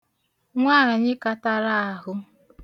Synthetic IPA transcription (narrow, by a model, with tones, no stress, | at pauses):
ŋʷaː˦˨ɾa˨ɲɪ˦ka˦ta˦ɾa˦a˨ɦʊ˦